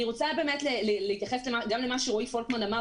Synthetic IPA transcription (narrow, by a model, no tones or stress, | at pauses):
iʁot͡sabe̞ːmetleleleitjaχeslemaɡamlemaʃuʁoifolkmanama